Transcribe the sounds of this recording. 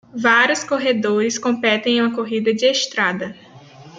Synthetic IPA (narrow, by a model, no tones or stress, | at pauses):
vaɾjʊskoɦed̪oɾɪskõmpɛt̪ẽj̃ũmɐkoɦid̪ɐd͡ʒɪeʃt̪ɾad̪ɐ